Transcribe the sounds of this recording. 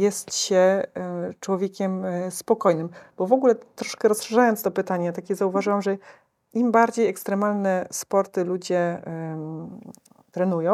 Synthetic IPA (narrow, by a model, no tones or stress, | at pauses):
jɛst̪ɕɛ | t͡ʂwɔvʲjɛkʲɛmspɔkɔjnɘmb̥ɔvɔɡulɛt̪ɾɔʂkɛɾɔsʂɛʐajɔnst̪ɔpɘt̪aɲat̪akʲɛzauvaʐɘwamʐɛ | imbaɾd͡ʑejɛkst̪ɾɛmalnɛspɔɾt̪ɘlud͡ʑɛ | t̪ɾɛnujɔ̃w̃